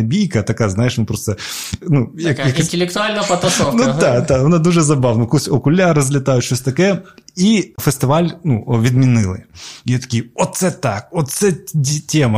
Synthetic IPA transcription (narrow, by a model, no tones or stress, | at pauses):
ɐbʲijkət̪ɐkajznajɪʂnupɾost̪ənujakjaktʲɪlʲɪkt̪ʊalʲnəfɐt̪ɐsonuad̪aʊnad̪oʐɛzɐbavnəkusʲokʊlʲaɾəzʲlʲɪt̪ajʊt̪t͡ɕʲɕʲɵsʲt̪ɐkɛifɨsʲt̪ʲɪvalʲnuvʲɪd̪mʲɪnɨlˠɨ̰jet̪ɐ̥kʲijot̪sɛt̪ak̚ot̪sɛdʲtʲemɐ